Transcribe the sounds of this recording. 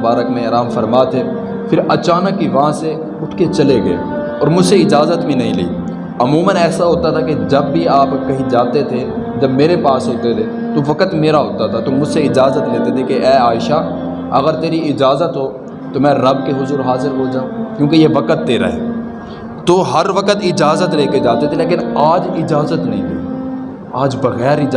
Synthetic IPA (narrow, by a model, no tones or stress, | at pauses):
baːɾəkmẽɐɾaːmfɐɾmaːt̪ʰe | pʰɪɾɐt͡ʃaːnəkːiʋɐɦãse | ʊʈʰket͡ʃɐleɡɐḛ | ɔːɾmʊd͡ʒseɪd͡ʒaːzət̪bʱĩnɐɦĩlḭː | ɐmuːmənɛːsaɦoːt̪at̪ʰaked͡ʒɐbːʱiaːpkɐɦĩd͡ʒãːt̪et̪ʰe | d͡ʒɐbmeːɾepaːsɦoːt̪et̪ʰe | t̪oʋɐkət̪meːɾaɦoːt̪at̪ʰat̪omʊd͡ʒseɪd͡ʒaːzət̪leːt̪et̪ʰekeʔɛːaːɪʃa | ɐɣəɾt̪eːɾiɪd͡ʒaːzət̪ɦoː | t̪omɛ̃ːɾɐbkeɦʊzuːɾɦaːzɪɾɦod͡ʒaːũkjõːkejeʋɐkət̪ːeːɾa̰ːɦɛ̰ː | t̪oːɦɐɾʋəkət̪ɪd͡ʒaːzət̪leːked͡ʒaːt̪et̪ʰeleːk̬ɪnaːd͡ʒɪd͡ʒaːzət̪nɐɦĩlii | aːd͡ʒbɐɣɛːɾɪd͡ʒ